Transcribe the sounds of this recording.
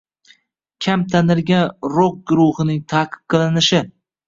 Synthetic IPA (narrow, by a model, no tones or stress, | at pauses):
kʲʰamt̪ʰanɪɾɡʲanɾok̚ɡʊɾʊhɨnɪŋt̪ʰaːqʰɨ̥p̚qʰɨlˠɪnɪʃɪ